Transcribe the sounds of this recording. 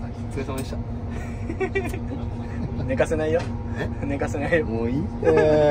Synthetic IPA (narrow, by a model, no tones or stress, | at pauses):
t͡set̪amaɕt̪a | ne̞kase̞naijone̞kase̞naioi